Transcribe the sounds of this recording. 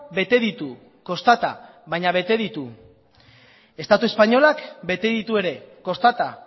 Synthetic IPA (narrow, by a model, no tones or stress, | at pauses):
be̞t̪e̞ðit̪u | ko̞st̪at̪a̰ | βajɲaβ̞e̞t̪e̞ðit̪u | e̞st̪at̪ue̞spaɲo̞lakbe̞t̪e̞ðit̪ue̞ɾe̞ko̞st̪at̪a